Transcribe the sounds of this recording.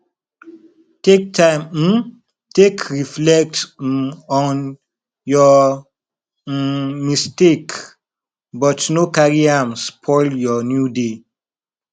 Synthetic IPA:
tek̚tʰãɪ̃mm̩ | tekʰɹiflɛk̚t̩ | ɔ̃n | jɔ | mistek | bɔtnokaɹiãmspʰɔɪljɔnjude

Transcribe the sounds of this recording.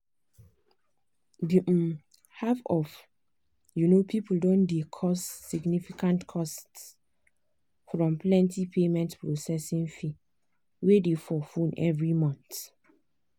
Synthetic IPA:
diʔ̩ | hafɔf | junopʰipul̩dɔ̃ndekʰɔsːiɡnifikãntkʰɔsts | fɹɔ̃mplɛ̃ntipʰemɛ̃ntpʰɹosɛsĩŋfi | wedefɔfũnɛ̰vɹimɔ̃nθ

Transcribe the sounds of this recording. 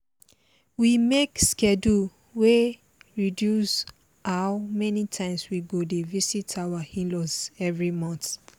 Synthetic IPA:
wimekskɛdu | we | ɹidjus | aʊmɛnitʰãɪ̃mswiɡodevisitʰawahĩlɔsɛvɹimɔ̃nθ

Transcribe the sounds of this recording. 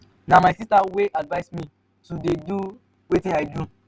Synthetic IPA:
nãmajsistaweʔadvajsmĩ | tudedu | wetĩadu

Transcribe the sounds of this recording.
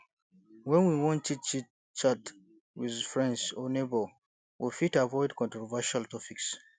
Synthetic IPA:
wɛ̃nwiwɔ̃ntʰit͡ʃi | t͡ʃat | wiðfɹɛ̃ndsɔnebɔl | wʔifitavɔɪdkɔ̃ntɹɔvaʃaltɔpiks

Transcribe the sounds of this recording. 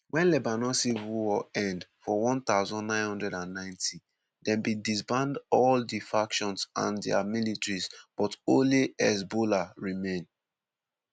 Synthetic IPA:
wɛ̃nlɛbanɔsivuɔɛ̃ndfɔwɔ̃nt̪aʊzɔ̃nːãɪ̃nhɔ̃ndɹɛdãnːãɪ̃ntʰi | dɛ̃mbĩdisbãndɔldifakʃɔ̃nsã̰ndɛamilitɹisb̥ɔtõnliɛs̬bolaɹimẽn

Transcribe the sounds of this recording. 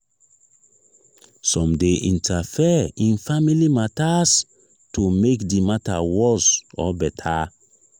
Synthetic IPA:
sɔ̃mdeʔĩntʰafɛĩnfamilimatas | tumekdimatawɔsɔbɛtʰa

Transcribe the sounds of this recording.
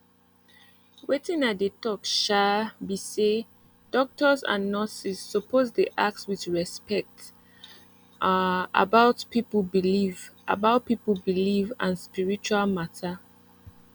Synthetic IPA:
wetĩŋat̚dətɔkʃabise | d̥ɔk̚tʰəzã̰nːɔsizːɔpozdiʔak̚tswiðɹɛspɛk̚t | a̰baʊtpipəlbilivʔa̰baʊt̚pipəbilivãnspiɹit͡ʃualmatʰə

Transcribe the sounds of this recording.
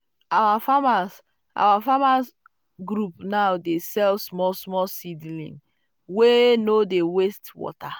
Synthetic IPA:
awafamas | a̰wafamas | ɡɾupnaʊdesɛlsmɔsmɔsidlḭ̃n | wenodewestwɔ̰ta

